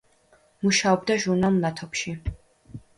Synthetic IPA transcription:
muʃaɔb̚d̪aʒuɾnalˠnat̪ʰɔpʃi

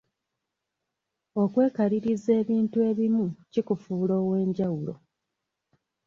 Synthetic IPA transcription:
o̞kwe̞ːkaɾiɾize̞ːβiːntue̞ːβimucikufuːlo̞ːwe̞ːɲɟawulo̞̰

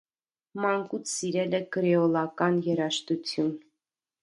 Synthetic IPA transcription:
mɑŋkut͡sʰsiɾɛlɛɡəɾɛɔlˠɑkɑnjɛɾɑʃt̪ut͡sʰjun

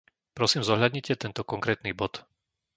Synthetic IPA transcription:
pɾɔsiːmzɔɦʎad̪ɲicɛt̪ɛnt̪ɔkɔŋkɾɛːt̪niːbɔt̪

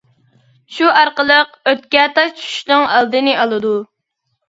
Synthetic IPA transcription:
ʃuɑɾqəlˠəq | øt̪̚kʲɛt̪ɑt͡ʃʰy̥ʃnɨŋælˠd̪ɨnɪʔɑlˠɨd̪u

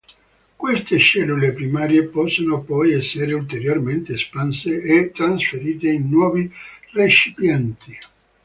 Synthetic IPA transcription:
kwest̪eʃɛlːulepɾimaːɾjepɔsːonopɔjɛsːeɾeult̪eɾjorment̪espanseʔːt̪ːɾansfeɾiːt̪einːwɔːviret͡ʃipjɛnt̪i

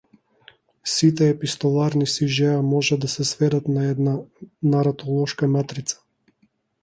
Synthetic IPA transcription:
sit̪ɛːpist̪ɔlˠaɾnisiʒɛamɔʒad̪asɛsvɛd̪at̪naɛd̪nanaɾat̪ʰɔlˠɔʃkamat̪ɾit̪sḁ

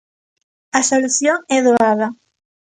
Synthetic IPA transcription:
ɐsoluθjoŋɛðoaðɐ

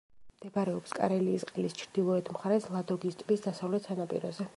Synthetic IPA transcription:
md̪̥ɛbaɾɛɔpskʼa̰ɾɛliːsqʼlist͡ʃʰɾd̪ilˠɔɛt̪ʰmχaɾɛslˠad̪ɔɡist̪ʼbisd̪asavlɛt̪ʰsʰanapʼḭɾɔzɛ

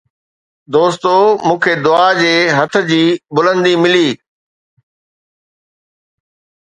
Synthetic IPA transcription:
d̪oːst̪omũːkʰed̪ʊad͡ʑeːɦɐt̪ʰʊ̆d͡ʑiːbʊlə̃nd̪imɪliː

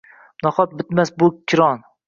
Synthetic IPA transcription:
nɒχɒt̪̚bɪt̪masbʊkʲʰːɪɾɒn

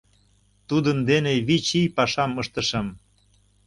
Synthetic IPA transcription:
t̪ud̪ənd̪eneβit͡ɕijpɑʃɑməʃt̪ə̆ʃə̆m

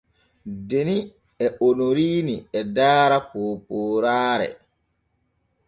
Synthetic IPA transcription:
deni | ɛonoɾiːniɛdaːɾapoːpoːɾaːɾɛ̰

